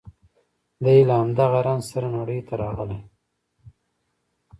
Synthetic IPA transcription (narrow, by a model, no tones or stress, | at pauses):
d̪ajlaamd̪aɣaɾanzsaɾanaɽəjt̪aɾɑɣəle